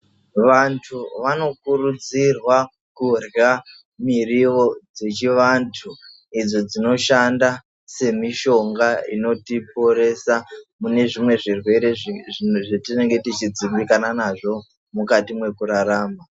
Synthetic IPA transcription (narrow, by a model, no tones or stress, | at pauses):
ʋantʰuʋano̞kuɾud͡zirwa | kurja | miriʋo̞d͡ze̞t͡ʃiʋantʰu | id͡zo̞d͡zino̞ʃanda | se̞miʃo̞ŋɡaḭno̞tipo̞ɾe̞samune̞ʐimwe̞ʐirwe̞ɾe̞ʐetine̞ŋɡe̞tit͡ʃid͡zimbikananaʐo̞ | mukatimwe̞kuɾaɾaːma